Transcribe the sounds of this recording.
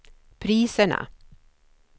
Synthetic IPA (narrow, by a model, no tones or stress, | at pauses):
pʰɾiːsəɳa̰